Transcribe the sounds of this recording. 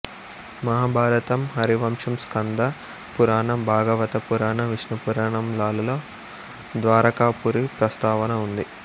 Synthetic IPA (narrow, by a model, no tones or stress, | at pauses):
mɐɦaːbʱaːɾɐt̪ɐmɦɐɾiʋɐmʂɐmskɐnd̪ɐ | puɾaːɳɐmbʱaːɡɐʋɐt̪ɐpuɾaːɳɐʋiʂnɐpuɾaːɳɐmlaːlulo̞ː | d̪ʋaːɾɐkaːpuɾipɾɐst̪aːʋɐnɐund̪i